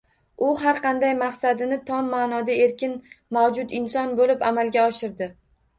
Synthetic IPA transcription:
ʊɦaɾqʰɑnd̪ajmaqsad̪ɪnɪt̪ʰɒmːaːnɒd̪ae̞ɾkʲɪnmawd͡ʒʊt̪ɪnsɒnbolɪpamalˠɡʲaɒʃɪɾd̪ɪ

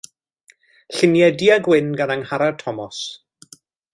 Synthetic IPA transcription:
ɬɪnjɛdiaɡwɪnɡanaŋhaɾatʰɔmɔs

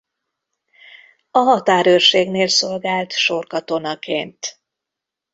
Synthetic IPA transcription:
ɒɦɒt̪aːɾøːrʃeːɡneːlso̞lɡaːlt̪ʃo̞rkɒt̪o̞nɒkeːnt̪

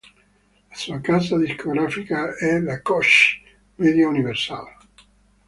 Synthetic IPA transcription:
lasuakazad̪iskoɡɾafikaɛlakɔʃ | mɛd̪jauniversa̰l

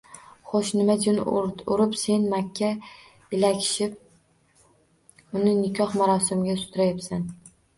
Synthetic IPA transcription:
χoʃnɪmad͡ʒʊnʊɾɪpse̞nmakʲʰːa | ɪlakʲʰɪ̥ʃɪp̚ | ʊnɪnɪkʲʰɒhmaɾɒsɪmɡʲasʊ̥t̪ʰɾajapsan

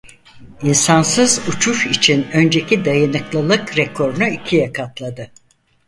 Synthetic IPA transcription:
insansɯzut͡ʃʰuʃit͡ʃʰinø̞nd͡ʒecʰid̪ajanɯklˠɯlˠɯkɾɛkʰo̞ɾnuicʰijakʰat̪lˠad̪ɯ

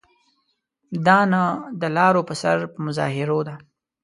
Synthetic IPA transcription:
d̪ɑnad̪əlɑɾopəsa̰ɾpəmʊzɑ̰ɦɪɾod̪a

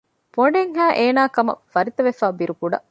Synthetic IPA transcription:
poɖeŋɦæːʔeːnaːkɐmɐ̰fɐɾit̪ɐʋefaːbiɾukuɖɐ̰

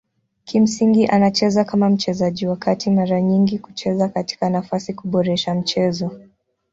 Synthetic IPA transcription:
kim̩siŋɡiʔanat͡ʃɛzakamam̩t͡ʃɛzaʄiwakatimaɾaɲiŋɡiku̥t͡ʃɛzakati̥kanafasikuɓɔɾɛʃam̩t͡ʃɛzɔ

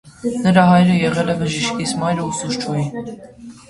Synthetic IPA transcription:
nəɾɑɦɑjɾəjɛʁɛlɛbəʒiʃkisʰmɑjɾəusuʃt͡ʃʰuji

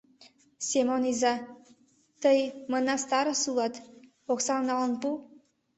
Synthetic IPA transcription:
sʲemonizɑ | t̪əjmənɑst̪ɑɾɤ̆sulˠɑt̪ | oksɑmnɑlə̆npu

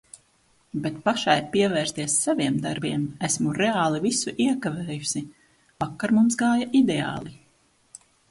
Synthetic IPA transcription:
bet̪̚paʃajpiɛvɛːɾst̪iɛsːaviɛmd̪aɾbiɛmæsmuɾeaːlˠivisuʔiɛkavɛːjusi | vakːaɾmumsɡaːjaʔid̪ea̰ːlˠi

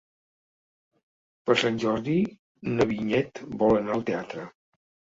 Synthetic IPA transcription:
pəɾsanʲʒɔɾði | nəβiɲɛt̪bɔlənaəlˠt̪eat̪ɾə

